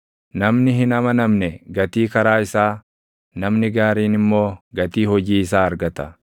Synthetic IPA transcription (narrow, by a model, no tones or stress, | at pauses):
nɐmnɪɦɪnɐmɐnɐmnɛɡɐt̪iːkɐɾaːɪsaː | nɐmnɪɡaːɾiːnɪmːo̞ːɡɐt̪iːhɔd͡ʒiːɪs̬aːɐɾɡɐt̪ɐ